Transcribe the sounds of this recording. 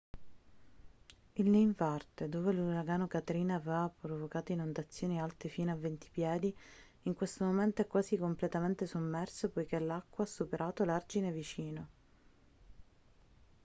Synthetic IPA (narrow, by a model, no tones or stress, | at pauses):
ilnejɱvart̪ed̪oːveluɾaɡaːnokat̪ɾiːnaavevapɾovokaːt̪oinond̪at̪sːjoːnialt̪efiːnoavːent̪i̥pjɛːd̪iː | ŋkwest̪omoment̪oɛkːwaːzikomplet̪ament̪esomːɛrsopojkelakːwaasːupeɾʔaːt̪olard͡ʒinevit͡ʃiːno